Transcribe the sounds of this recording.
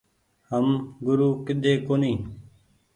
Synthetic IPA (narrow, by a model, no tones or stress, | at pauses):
həmɡʊɾuːkɪɗ̪ʱeːkoːniː